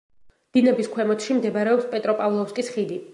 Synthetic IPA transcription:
d̪̥inɛbiskʰwɛmɔt̪ʰʃimd̪ɛbaɾɛɔpspʼɛt̪ʼɾɔpʼavlˠɔfskʼisχid̪i

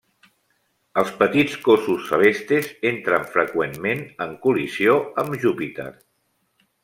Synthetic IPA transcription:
əlˠspət̪it͡skosusːəlest̪ɾezent̪ɾəɱfɾəkwemmenəŋkulizioəmʒupit̪ḛɾ

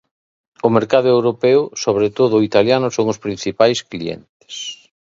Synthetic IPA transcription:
ʊmeɾkaðʊewɾopɛwsoβ̞ɾet̪oðʊit̪aljanʊsoŋʊspɾin̟θipajskliḛnt̪e̥s

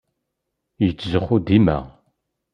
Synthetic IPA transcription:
jət͡sːzəχʊd̪imæ̰

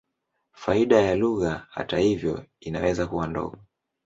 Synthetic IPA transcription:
faiɗajaluɣaha̰tahivjɔ̰inawɛzakuwandɔ̰ɠɔ

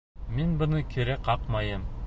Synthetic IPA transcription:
minbɤ̆nɤkʰiɾæqɑqmɑjɤm

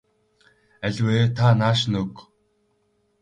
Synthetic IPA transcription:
æɮʲweːt̪ʰanaːʃnɵk

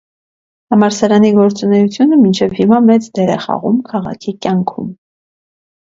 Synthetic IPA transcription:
ɑmɑɾsɑɾɑniɡɔɾt͡sunɛjut͡sʰjunəmint͡ʃʰɛvhimɑmɛt͡sd̪ɛɾɛ̰χɑ̰ʁṵmkʰɑʁɑ̰kʰikjɑŋkʰṵm

